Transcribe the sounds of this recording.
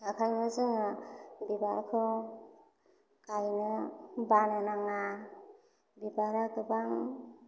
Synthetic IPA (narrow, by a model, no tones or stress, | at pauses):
akʰajmɯzɯŋabibaɾkʰɯ | kajnɯbananaŋa | bibaɾakɯbaŋ